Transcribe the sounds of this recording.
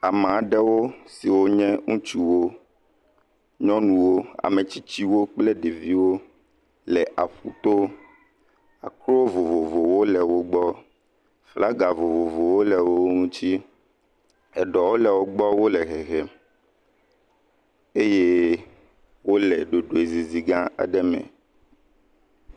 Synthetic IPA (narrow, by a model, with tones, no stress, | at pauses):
a˨m˨a˨ɖɛ˦wo˦si˨wo˦ɲɛ̃˦ŋũ˦t͡ʃu˦wo˦ | ɲɔ̃˦nũ˨wo˦a̰˨mɛ˨t͡ɕi˦t͡ɕi˦wo˦k͡plɛ˦ɖe˨vi˦wo˦ | lɛ˨ʔa˨ɸu˦t̪o˦ | a̰˨kɾo˦vo˨vo˨vo˨wo˦lɛ˨wo˦ɡ͡bɔ˦ | fla˦ɡa˨vo˨vo˨vo˨wo˦lɛ˨wo˦o˦ŋũ˦t͡ɕi˦ | ɛ˨ɖɔ˨wo˦lɛ˨wo˦ɡ͡bɔ˦wo˦lɛ˨ɦɛ˨ɣɛ˨ | e˦je˦ | wo˦lɛ˨ɖo˨ɖo˨e˨zi˨zi˨ɡã˦a̰˨ɖɛ˦mɛ̰̃˨